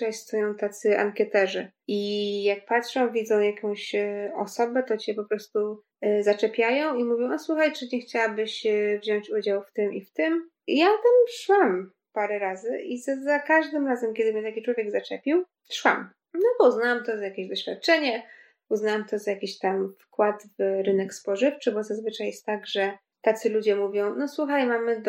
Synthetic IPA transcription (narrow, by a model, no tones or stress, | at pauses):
ast̪ɔjɔ̃w̃t̪at̪sɘʔa̰ŋkʲɛt̪ɛʐɛ | ijak̚pat̪ʂɔ̃w̃vʲid̪zɔ̃w̃jakɔ̃w̃ɕɔsɔbɛt̪ɔt͡ɕɛpɔpɾɔst̪u | zat͡ʂɛpʲjajɔ̃w̃imuvʲjɔ̃w̃aswuxajt͡ʂɘɲɛxt͡ɕawabɘɕvʑɔɲt͡ɕud͡ʑawft̪ɘmʔift̪ɘm | jat̪ɛmʂwam | paɾɛɾazɘʔizazakaʐd̪ɘmɾazɛmkʲɛd̪ɘmjɛt̪akʲit͡ʂwɔvʲjɛɡzat͡ʂɛpʲiw | ʂwa̰m | nɔbɔuznawamt̪ɔzajakʲeʑd̪ɔɕfʲjat̪̚t͡ʂɛɲɛ | uznawamt̪ɔzajakʲiɕt̪amfkwad̪vɾɘnɛkspɔʐɘft͡ʂɘbɔzazvɘt͡ʂajɛst̪ːaɡʐɛ | t̪at̪sɘlud͡ʑɛmuvʲjɔ̃w̃nɔswuxajmamɘd̪